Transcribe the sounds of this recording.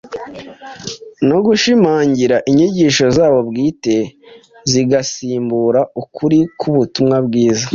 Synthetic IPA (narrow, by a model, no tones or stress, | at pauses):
noɡuʃimaːɲɟiɾaʔiɲiɟiːʃo̞zaːβo̞bɡiːte̞ | ziɡasiːmbuɾaukʰuɾikʰuβutumŋabɡiːza